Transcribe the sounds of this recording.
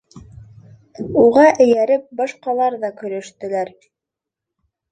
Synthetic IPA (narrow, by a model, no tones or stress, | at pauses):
uʁɑʔɘ̆jæɾɘp̚bɑʃqɑlˠɑɾðɑkɵ̆ɾæ̆ʃt̪ɘ̆læɾ